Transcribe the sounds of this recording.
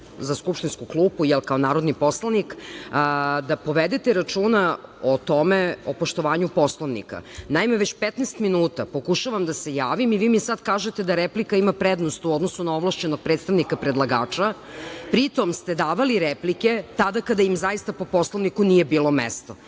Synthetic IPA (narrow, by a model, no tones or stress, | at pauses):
zaskupʃt̪inskuklˠuːpujɛlkaonaːɾod̪nipo̞slˠanik | d̪apo̞ʋed̪et̪eɾat͡ʃuːnaot̪o̞meopoʃt̪o̞ʋaːɲupo̞slˠoʋnḭka̰naimeʋet͡ɕpet̪nest̪minuːt̪apo̞kuʃaʋamd̪ase̞jaːʋimiʋiːmisad̪kaːʒet̪ed̪aɾeplikaimapɾed̪nost̪uod̪nosunaoʋlˠaʃt͡ɕenoɡ̚pɾet̪st̪aʋnikapɾed̪lˠaɡa̰ːt͡ʃa | pɾit̪o̞mst̪ed̪aːʋaliɾeplike̞t̪ad̪akad̪aimzajist̪apo̞po̞sloʋnikunije̞biːlo̞mḛst̪o